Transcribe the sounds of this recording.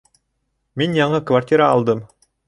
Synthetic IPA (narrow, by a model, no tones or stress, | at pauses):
minjɑɴɤkvarʲtʲiɾaɑːlˠd̪ɤm